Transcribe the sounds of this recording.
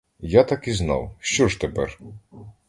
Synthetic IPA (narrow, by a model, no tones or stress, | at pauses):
jat̪ɑkiznɑ̰wʃt͡ʃɔʒt̪epɛ̰r